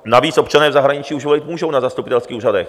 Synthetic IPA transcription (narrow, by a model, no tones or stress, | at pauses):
naviːt͡sʔo̞pt͡ʃanɛːvzaɦɾaɲɪt͡ʃiːuʒvolɪt̪muːʒownazast̪upɪt̪ɛlskiːuːradɛx